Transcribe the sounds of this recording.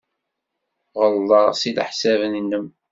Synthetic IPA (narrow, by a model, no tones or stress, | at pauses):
ʁəlːɑʁsila̰ħsævənənːəm